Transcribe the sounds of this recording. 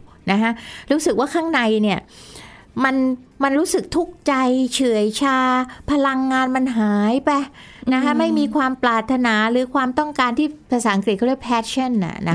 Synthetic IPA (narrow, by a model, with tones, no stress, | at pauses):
na˦˥kʰa˦˥ɾuː˦˥sɯ˨˩k̚waː˥˩kʰaː˥˩ŋna˧jni˥˩ɐ | ma˧nma˧nɾuː˦˥sɯ˨˩k̚t̪ʰu˦˥˩k̚t͡ɕa˧jt͡ɕʰɯ˨˩˦əjt͡ɕʰaː˧pʰa˧la˧ŋːaː˧nma˧nɦaː˩˦jpɛ˧˩ | na˦˥kʰa˦˥ma˥˩jmiː˧kʰwaː˧mplaː˨˩t̪ʰːa˧naː˩˦ɾɯː˩˦kʰwaː˧mt̪ɔ˥˩ŋkaː˧nt̪ʰiː˥˩pʰa˧saː˩˦ʔa˧ŋkli˨˩kʰːd̪pʰɛː˦˥t̪̚t͡ɕʰa˥˩nʔa̰˨˩na̰˦˥